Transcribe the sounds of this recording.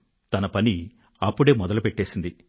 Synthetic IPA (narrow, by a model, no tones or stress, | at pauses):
t̪ɐnɐpɐni | ɐpːuɽe̞ːmɔd̪ɐlupeʈːe̞ːsind̪i